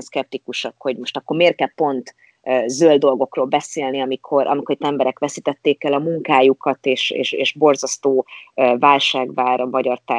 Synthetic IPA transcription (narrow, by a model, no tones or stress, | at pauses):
nskɛp̚t̪ikuʃɒkho̞ɟmo̞ʃt̪ɒkːo̞rmeːrkɛlpo̞nt̪ | zøld̪o̞lɡo̞kroːlbɛseːlniɒmikʰo̞ɾʔɒ̰mikoɾit̪ːɛmbɛɾɛkʋɛsit̪ɛt̪ːeːkɛlɒmuŋkaːjukɒt̪eːʃḛːʃḛːʃbo̞rzɒst̪oːvaːlʃaːɡvaːɾmɒɟɒrt̪a